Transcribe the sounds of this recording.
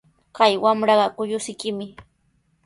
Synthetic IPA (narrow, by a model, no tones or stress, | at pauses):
kajwamɾɑɢɑkʊʎʊsɪkɪmɪ